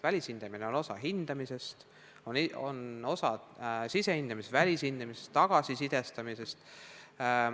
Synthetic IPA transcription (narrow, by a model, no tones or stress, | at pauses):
vælʲishind̪̥ɑmineo̞no̞sɑ̰ɦind̪̥ɑmise̞st̪ | ono̰no̞sɑsise̞hind̪̥ɑmisvælʲishind̪̥ɑmise̥st̪ːɑɡ̥ɑsisid̪̥e̞st̪ɑmise̞st̪